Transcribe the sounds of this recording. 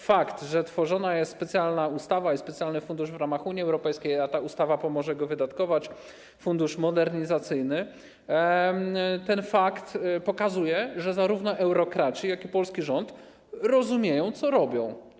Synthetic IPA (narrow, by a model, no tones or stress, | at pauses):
fakt̪ʐɛt̪fɔʐɔnajɛst̪spɛt̪sʲjalnaust̪avaispɛt̪sʲjalnɘfund̪uʐvɾamaxuɲiɛwɾɔpɛjskʲejat̪aust̪avapɔmɔʐɛɡɔvɘd̪at̪kɔvat͡ɕ | fund̪uʂmɔd̪ɛɾɲizat̪sɘjnɘ | t̪ɛnfakt̪pɔkazujɛʐɛzaɾuvnɔʔɛwɾɔkɾat͡ɕijakʲipɔlskʲiʐɔnt̪ | ɾɔzumʲjejɔ̃w̃t̪sɔɾɔbʲɔ̃w̃